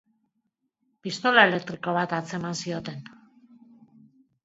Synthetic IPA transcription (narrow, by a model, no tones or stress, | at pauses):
pist̪o̞lae̞le̞k̚t̪ɾiko̞β̞at̪at͡se̞mansio̞t̪e̞n